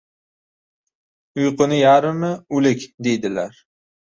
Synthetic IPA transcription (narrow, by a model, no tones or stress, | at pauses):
ʊjqʰɨnɪjaɾɪmɪʊlɪkʲd̪e̞jd̪ɪlaɾ